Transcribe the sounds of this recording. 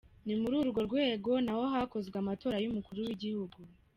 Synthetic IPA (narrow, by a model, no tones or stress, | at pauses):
nimuɾuːɾuɡo̞ɾɡwe̞ːɡo̞naho̞ɦako̞zɡweamato̞ːɾajumukuɾuwiɟihuɡu